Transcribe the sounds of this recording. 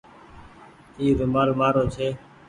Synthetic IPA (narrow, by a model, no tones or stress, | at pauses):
iːɾʊmaːlmaːɾoːt͡ʃʰeː